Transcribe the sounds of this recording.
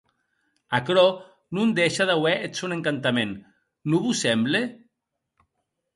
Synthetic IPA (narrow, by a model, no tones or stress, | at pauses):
akɾɔ | nund̪eʃaðawɛʔet͡suneŋkant̪amenː | uβusɛmble